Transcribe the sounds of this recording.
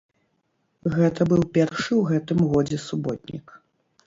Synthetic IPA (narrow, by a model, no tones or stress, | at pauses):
ɣɛt̪ɐbɨwpʲɛrʂɨwɣɛt̪ɨmɣɔd͡zʲɛsubɔt̪̚ʲnʲḭk